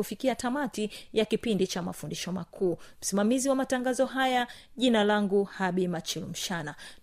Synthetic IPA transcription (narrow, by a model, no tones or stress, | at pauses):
ufikiatamatijakipindit͡ʃama̰fundiʃɔma̰kʰuːm̩simamiziwamataŋɡazɔɦaja | ʄinalaŋɡuhaɓimat͡ʃilm̩ʃana